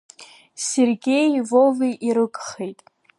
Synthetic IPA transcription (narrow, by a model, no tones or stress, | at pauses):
serɡʲe̞jvoviʔiɾɨkʼχejtʼ